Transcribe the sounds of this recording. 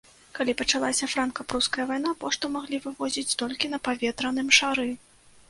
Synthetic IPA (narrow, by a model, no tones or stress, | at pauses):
kalʲipɐt͡ʂalˠasʲɐfɾankɐpɾuskɐjɐvajn̪apɔʂt̪umaɣlʲivɨvɔzʲit͡sʲt̪ɔlʲkʲinɐpavʲɛt̪ɾɐn̪ɨmʂaɾɨ